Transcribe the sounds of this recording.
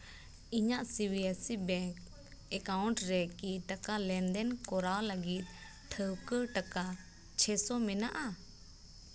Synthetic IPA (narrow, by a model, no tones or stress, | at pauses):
iɲaʔsibiasibɛŋk | ɛkawɳʈɾɛkiʈakalɛnd̪ɛnkɔɾawləɡit̪̚ | ʈʰəwkəɾʈaka | t͡ʃʰɛsɔmɛnaʔa